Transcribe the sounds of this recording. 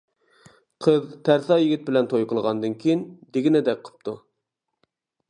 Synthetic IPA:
qʰəðt̪ʰæɾθɑjɪɡʲit̪̚bɪlɛnt̪ʰojqʰəlˠʁɑnd̪ɨnkʲʰijind̪eɡʲinɪd̪ɛk̚ʲqʰə̥p̚t̪ʰu

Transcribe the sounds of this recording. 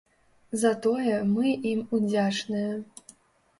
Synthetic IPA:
zɐt̪ojɛmɨimud͡zʲat͡ʂnɨjɛ

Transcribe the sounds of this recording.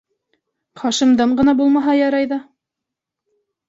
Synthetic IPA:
χɑʃɤ̆md̪ɤɴɢɤ̆nɑbulˠmɑɦɑjɑɾɑjðɑ

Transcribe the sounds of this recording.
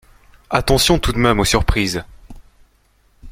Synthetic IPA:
at̪ɑ̃sjɔ̃t̪ud̪mɛmosyʁpχiz

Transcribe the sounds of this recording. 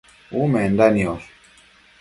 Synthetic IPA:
umend̪anios

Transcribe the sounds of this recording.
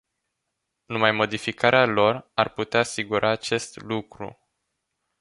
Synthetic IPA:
numajmo̞d̪ifikaɾealo̞rarput̪eaːsiɡuɾʔaːt͡ʃe̞st̪lukɾṵ

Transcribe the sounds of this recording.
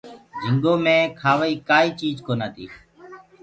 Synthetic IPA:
d͡ʒʱɪŋɡõːmẽːkʰaːʋaːiːkaːiːt͡ʃiːd͡ʒkoːnaːt̪ʰḭː

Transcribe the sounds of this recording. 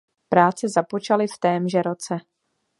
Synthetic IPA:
pɾaːt͡sɛzapo̞t͡ʃalɪft̪ɛːmʒɛɾo̞t͡sɛ

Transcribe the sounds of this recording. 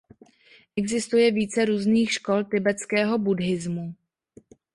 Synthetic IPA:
ʔɛɡzɪst̪ujɛviːt͡sɛɾuːzniːxʃkolt̪ɪbɛt͡skɛːɦo̞budɦɪzmu

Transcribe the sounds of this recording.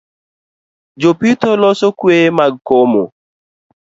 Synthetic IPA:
d͡ʒopitolɔsokuemaɡkɔmo̰

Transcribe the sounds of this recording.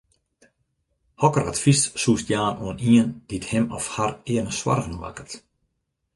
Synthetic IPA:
hɔkəra̰tfissustjaːnoəniənd̥ithɪmɔfharɪənəswa̰rɣənʋa̰kə̥t

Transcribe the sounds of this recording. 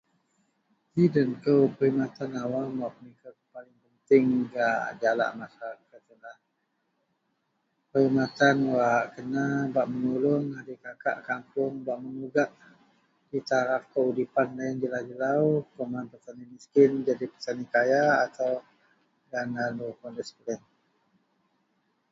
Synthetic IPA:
tidənkəwpəimat̪anawamwaʔpənikakəpalɪŋpənt̪ɪŋɡaʔd͡ʒala̰ʔmasaɾakat̪əlah | pəimat̪anwaʔkənabaʔmənulʊŋadikaka̰ʔkampʊŋbaʔmənuɡaʔ | d̥it̪aɾafkəudipanlaɪnd͡ʒəlad͡ʒəlawkomanpərt̪animiskɪnd͡ʒadipət̪anikajaːt̪aw | ɡanalukɔndɛspəɾɛn

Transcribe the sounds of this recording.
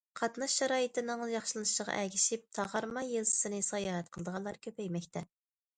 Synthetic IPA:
qʰɑt̪nɑʃːɛɾɑːjit̪ɪnɨŋjɑχʃɨlˠɨnɨʃəʁɑ̰ʔæɡʲiʃip̚t̪ʰɑʁɑɾmɑjelzɨ̥sɨnɨsɑjɑːɾɛt̪̚qʰəlˠəd̪əʁɑnlˠɑɾkʲʰøpɛjmɛkʲt̪ʰɛ

